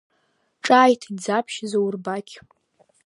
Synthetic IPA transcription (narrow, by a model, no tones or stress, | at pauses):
ʈ͡ʂʼaːjtʰid͡zapʰʃɪzowrbakʲʰʼ